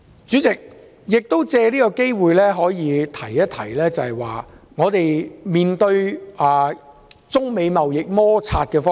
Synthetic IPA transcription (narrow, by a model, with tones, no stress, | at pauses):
t͡ʃyː˨˥t͡sɪ˨k̚ | jɪ˨k̚t̪o˥wt͡sɛː˧liː˥kɔ˧ke˥jwuː˨jlɛː˥ɦɔː˨˥jiː˨˧t̪ʰɐ˨˩jjɐ˥t̪ʰɐ˨˩jlɛː˥t͡sɐ˨hɐ˨˩jwa̰ː˨ŋɔː˨˧t̪e˨jmiː˨nt̪ɵ˧ɥʔaː˨ | t͡sʊ˥ŋme˨˧jmɐ˨wjɪ˨k̚mɔː˥t͡sʰaː˧t̚kɛː˧fɔː˥